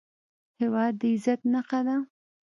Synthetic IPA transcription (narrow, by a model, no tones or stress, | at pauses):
hewɑd̪ːəɪzat̪naqad̪a